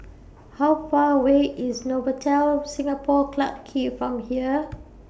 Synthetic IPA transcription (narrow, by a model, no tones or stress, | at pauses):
hawfaəweɪznovətʰɛlsɪ̃ŋapʰɔkʰlap̚kʰifɹɔ̃mhiə